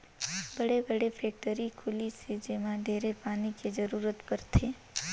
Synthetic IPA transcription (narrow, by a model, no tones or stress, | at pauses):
bəɽebəɽepʰeːk̚ʈəɾikʰʊlisʰed͡ʒemãd̪ʱeːɾepaːniked͡ʒəɾuːɾət̪pəɾt̪ʰeː